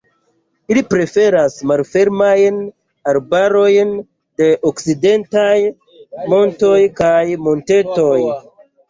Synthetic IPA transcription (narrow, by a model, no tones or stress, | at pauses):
ilipɾe̞fe̞ɾasmalfe̞ɾmajn | aɾbaɾo̞jn | de̞ʔokside̞ntaj | mo̞nto̞jkajmo̞nte̞to̞j